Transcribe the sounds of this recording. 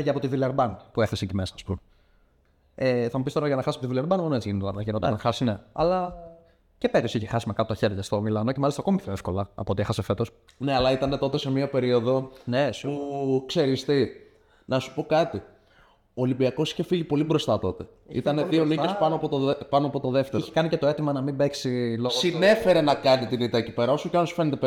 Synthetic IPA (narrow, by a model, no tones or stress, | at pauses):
ʝɐpo̞t̪ivileɾbɐnpueθesɐɲcemesɐ̥ːspume | eθɐmupist̪oɾɐʝɐnɐxɐsisɐpot̪vilɐɾbɐnmonet͡siʝinit̪ɐnɐʝenot̪ɐɐnxɐsineɐ̰lɐ | cepeɾiosiçexɐsimekɐp̪ot̪ɐçe̞ɾʝɐst̪o̞milɐno̞cemɐlist̪ɐko̞mipʰçoefkolɐɐ̰pot̪ie̞xɐsefe̞t̪o̞s | neɐlɐit̪ɐnet̪o̞t̪ese̞miɐpe̞ɾio̞ðo̞nespukse̞ɾist̪i | nɐsu̥po̞kɐt̪i | oːlimbiɐko̞si̥çe̞fiʝipo̞libɾo̞st̪ɐt̪o̞t̪e̞ | ḭt̪ɐneðio̞niespɐnoɐpot̪opɐnoɐpo̞t̪o̞ðe̞ft̪eiɾçe̥kɐnice̞t̪o̞e̞t̪imɐnɐmimbe̞ksilosɣine̞fe̞ɾe̞nɐkɐnit̪init̪ɐecipe̞ɾɐosuceɐnosu̥fe̞net̪ep